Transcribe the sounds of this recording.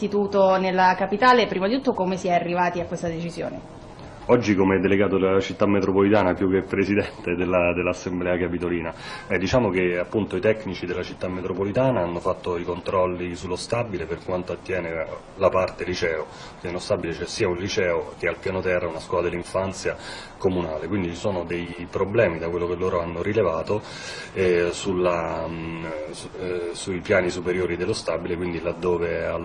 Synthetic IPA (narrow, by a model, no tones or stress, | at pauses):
it̪uːt̪onelːakapit̪aːlepɾimad̪it̪uːt̪ːokomesiɛarːivaːt̪iakːwest̪ad̪et͡ʃizjo̰ːne | ɔd͡ʒːikomeɛd̪ːeleɡaːt̪od̪elat͡ʃit̪ːamːet̪ɾopolit̪aːnapjuk̟ːepːɾesid̪ɛnt̪ed̪elːad̪elːasːemblɛːakapit̪oliːnabɛd̪it͡ʃaːmok̟eapːunt̪oit̪ɛkːnit͡ʃid̪elːat͡ʃit̪ːamːet̪ɾopolit̪aːnaanːofat̪ːoikont̪ɾɔlːisulːost̪abileperkwant̪oat̪ːjɛːne | lapart̪elit͡ʃɛːo | kilost̪abilet͡ʃɛsiːaunlit͡ʃɛːok̟ealpjaːnot̪ɛrːaunaskwɔːlad̪elːiɱfant̪sjakomunaːlekwind̪it͡ʃisoːnod̪ejpɾoblɛːmid̪akwelːokelːoːɾoanːoɾilevaːt̪o | ɛsulːa | suipjaːnisupeɾjoːɾid̪elːost̪abilekwind̪ilad̪ːoːveal